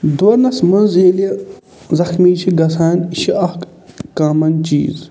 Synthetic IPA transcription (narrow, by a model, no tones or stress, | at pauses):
d̪woɾnɐsmɐnzeːljɐ | zɐxmiːt͡ʃʰiɡɐsaːniʃiɐhk | kaːmɐnt͡ʃḭːz